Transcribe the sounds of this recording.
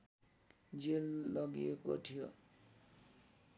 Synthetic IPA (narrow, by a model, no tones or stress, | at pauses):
d͡zelːʌɡijeko̰tʰijo